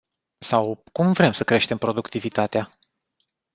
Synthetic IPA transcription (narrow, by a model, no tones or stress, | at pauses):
sawkumvɾe̞msəkɾe̞ʃt̪e̞mpɾo̞d̪ukt̪ivit̪at̪ea